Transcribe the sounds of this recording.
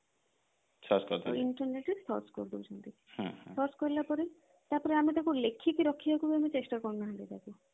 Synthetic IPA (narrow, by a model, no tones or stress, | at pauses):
t͡ʃʰɔskɔ̰d̪̰iɳʈɔɾneʈit̪ʰɔ̰ɾskɔ̰ɾd̪ubut͡ʃʰɔnt̪i | hãsʰɔɾskɔɾilapɔɾe | t̪aɾpɔɾeamit̪akulekʰːikiɾɔkʰːiakubiamit͡ʃesʈaɾkɔɾnaɦãd̪it̪aku